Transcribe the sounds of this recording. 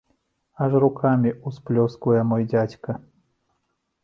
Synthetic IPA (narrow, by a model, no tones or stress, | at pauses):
aʐrukʰamʲiusplʲɔskvujɛmɔjdʲat͡sʲkɐ